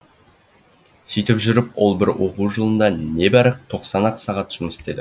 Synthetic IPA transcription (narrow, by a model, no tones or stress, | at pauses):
sijt̪ɪpʒʏɾɪpwo̞̰lˠbɪɾwo̞quwʒəlˠənd̪ɑne̞bæɾəq̚t̪ʰo̞qsɑnɑqə̥sɑʁɑt̪ʒ̥ʊməse̥t̪e̞d̪ɪ